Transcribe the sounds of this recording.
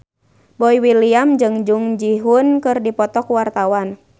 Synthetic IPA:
bɔiwiliamd͡ʒɨŋd͡ʒuŋd͡ʒiɦunkɨrdipɔt̪ɔkuwart̪awan

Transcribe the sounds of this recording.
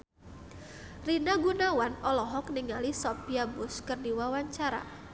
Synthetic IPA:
rinaɡunawanɔlɔɦɔkniŋalisɔpjabʊskərdiwawaɲt͡ʃaɾa̰

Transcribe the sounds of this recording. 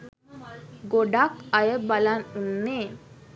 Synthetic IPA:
ɡoɖakajəbalanunːe

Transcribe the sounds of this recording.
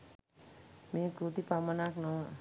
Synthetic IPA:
mẽkɾut̪ipamənaknɔ

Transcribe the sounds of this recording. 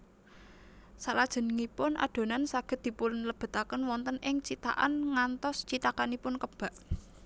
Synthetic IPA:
salad̥ʒ̥ə̤nəŋipʊnʔa̰ɖ̪̥o̤nansaɡ̥ə̤t̪̚d̪̥i̤pulnləb̥ə̤t̪akənwɔnt̪ənɪŋt͡ʃit̪a̰ʔa̰nŋant̪ɔst͡ʃit̪akanipʊnkəb̥a̤ʔ

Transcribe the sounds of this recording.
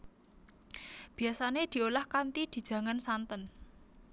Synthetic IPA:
b̥i̤asaned̪̥i̤olahkant̪id̪̥i̤̥ʒ̥ä̤ŋansant̪ən

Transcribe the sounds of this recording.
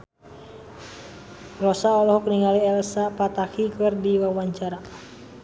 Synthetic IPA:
rɔsaɔlɔhɔkniŋaliɛlsapat̪akikɨrdiwawaɲt͡ʃaɾa

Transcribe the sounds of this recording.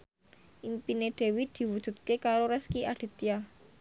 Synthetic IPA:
ʔimpineɖ̪̥e̤wid̪̥i̤wud̥ʒ̥ṳt̪̚kekaɾoɾɛskiʔaɖ̥e̤t̪ia

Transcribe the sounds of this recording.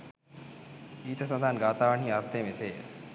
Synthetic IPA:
iːt̪əsɐnd̪ʱaːnɡaːt̪aːʋəɳ̤iːɐɾt̪ːeːmɪsḛː

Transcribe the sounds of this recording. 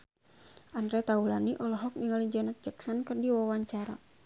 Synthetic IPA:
ʔandɾɛt̪aulaniʔɔlɔɦɔk̚niŋalid͡ʒɔnat̪̚d͡ʒaksɔnkɨrdiwawaɲt͡ʃaɾa̰

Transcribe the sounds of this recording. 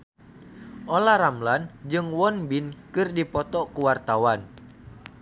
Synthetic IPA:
ʔolaɾamland͡ʒɨŋwɔnbinkɨrdipɔt̪ɔkuwart̪awan

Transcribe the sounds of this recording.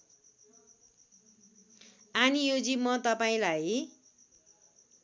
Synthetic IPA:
anijod͡zimʌt̪ʌpaĩlaj

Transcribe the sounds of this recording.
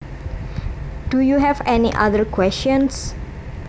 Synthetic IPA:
d̥ujuɦɛvɛniʔa̰ðəɹkʰwɛst͡ʃɔ̃ns

